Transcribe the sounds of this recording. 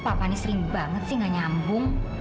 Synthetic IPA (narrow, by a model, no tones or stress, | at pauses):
papanisəɾɪŋbaŋət̪̚sɪŋaɲambʊŋ